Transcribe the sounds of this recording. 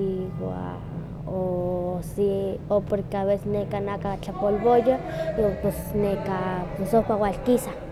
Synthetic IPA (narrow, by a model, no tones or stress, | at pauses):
ia̰ | osiopoɾkeaβesesnekanakat͡ɬapolbojaiwapesnekapesopawalkisa